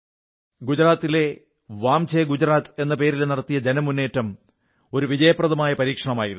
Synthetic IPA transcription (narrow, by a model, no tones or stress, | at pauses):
ɡud͡ʑɾaːt̪ːile̞ | ʋaːmt͡ɕʰeːɡud͡ʑɾaːt̪e̞nːɐpe̞ːɾilnirɐt̪ːijɐd͡ʑenɐmːunːe̞ːtːɐm | o̞ɾuʋid͡ʑɐjɐpːrɐðɐmaːjɐpɐɾiːkʂɐɳɐmaːjiɾ